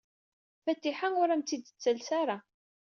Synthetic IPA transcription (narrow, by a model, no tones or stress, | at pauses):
fæt̪ːiħaŋʊɾæmt̪id̪t͡sːəlsaɾa